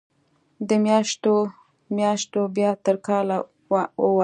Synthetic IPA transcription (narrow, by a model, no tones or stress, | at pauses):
d̪əmjɑʃt̪o | mjɑʃt̪objɑt̪əɾkɑla | əwa